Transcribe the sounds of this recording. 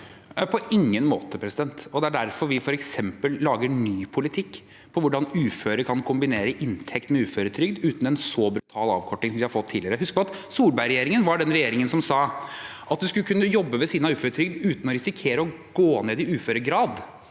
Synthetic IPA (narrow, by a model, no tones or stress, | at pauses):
pʰɔʔɪŋːənmoːt̪əpʰɾɛsɪd̪ɛnt̪ɔd̪ɛæɖæɾfɔɾʋɪfɔɾɛksɛmpəllɑːɡəɳyːpʰʊlɪt̪ʰɪkː | pʰɔʋʊɖɑnʉːføːɾəɾkʰɑnkʰʊmbɪneːɾəʔɪnt̪ʰɛkt̪mɛʉːføːɾət̪ʰɾʏɡd̪ʉːt̪n̩ɛnsɔːbɾʉt̪ʰɑːlɑ̰ːʋkʰɔʈːɪŋsɔmd̪ɪhɑɾfɔt̪ʰːiːlɪəɾəhʉskəpʰɑt̪suːlbæɪɾɛjeːɾɪŋənʋɑɖɛnɾɛjeːɾɪŋənsɔmsɑːʔɑt̪̚d̪ʉskʉlkʰʉnːəjɔbːəʋɛsiːd̪nɑʉːføːɾət̪ʰɾʏɡd̪ʉːt̪nɔɾɪsɪkʰeːɾəɔ | ɡ̥oːneːd̪ɪʉːføːɾəɡɾɑːd̪